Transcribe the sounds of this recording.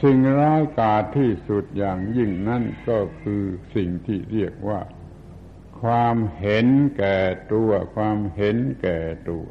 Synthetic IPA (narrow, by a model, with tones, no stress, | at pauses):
si˨˩ŋɾaː˦˥wkaː˨˩t̪ʰːiː˥˩su˨˩t̪̚jaː˨˩ŋji˥˩ŋna˦˥nkɔː˥˩kʰɯː˧si˨˩ŋt̪ʰiː˥˩ɾi˥˩ək̚waː˥˩ | kʰwaː˧mhe˨˦nkɛː˨˩t̪u˧ɐkʰwaː˧mhɦe˨˦nkɛː˨˩t̪u˧˩ɐ